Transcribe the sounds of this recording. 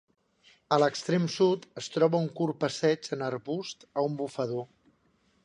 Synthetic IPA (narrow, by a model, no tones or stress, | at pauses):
ələkst̪ɾemsut̪əst̪ɾɔβəuŋkurpəsɛd͡ʒənəɾβust̪əumbufəðo